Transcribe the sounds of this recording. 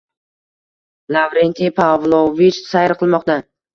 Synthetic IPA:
lavɾent̪ʰipʰavlˠovit͡ʃsajɾqʰɨlˠmɒqt̪a

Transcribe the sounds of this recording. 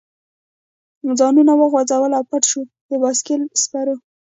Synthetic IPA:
zɑnunawəɣwad͡zawəlawpaʈʃu | d̪əbɑskilspaɾu

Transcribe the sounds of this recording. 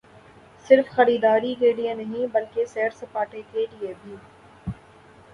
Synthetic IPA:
sɪɾfxɐɾiːd̪aːɾikeːɖiẽnɐɦĩbɐlkesɛːɾsɐpaːʈekeɖiebʱiː

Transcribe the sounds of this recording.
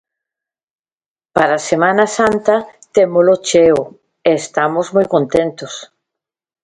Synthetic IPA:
paɾasemãnasant̪ɐt̪emolot͡ʃeo | eːst̪amozmojkõnt̪ent̪os

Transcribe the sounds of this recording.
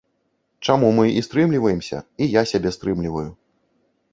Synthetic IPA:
t͡ʂamumɨʔist̪ɾɨmlʲivɐjɛmsʲɐ̰ijasʲabʲɛst̪ɾɨmlʲivɐju

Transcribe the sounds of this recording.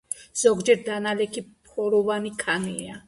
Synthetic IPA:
z̥ɔɡd͡ʒɛɾd̪analɛkʰipʰɔɾɔvanikʰania

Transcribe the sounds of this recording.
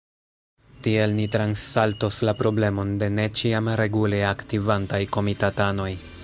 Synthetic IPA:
tie̞lnitɾansːaltoslapɾo̞ble̞mo̞nde̞ne̞t͡ʃiamɾe̞ɡuleaktivantajko̞mitatano̞j

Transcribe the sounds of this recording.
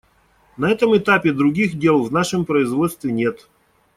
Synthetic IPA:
nɐɛt̪əmɨt̪apʲɪd̪ɾʊɡʲixdʲe̞lˠvnaʂɨmpɾəɪzvo̞t̪st̪vʲɪnʲet̪

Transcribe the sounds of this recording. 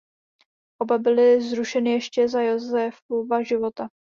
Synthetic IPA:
ʔo̞babɪlɪzɾuʃɛnɪjɛʃcɛzajozɛfovaʒɪvo̞t̪a

